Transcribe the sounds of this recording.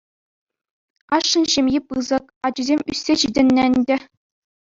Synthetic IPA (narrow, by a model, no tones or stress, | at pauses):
ɑʂːɤ̆nɕɘ̆mʲjipɯzɤ̆kɑd͡ʑuzʲemʲysʲːeɕidʲɘ̆nʲːɘɘnʲdʲɘ̆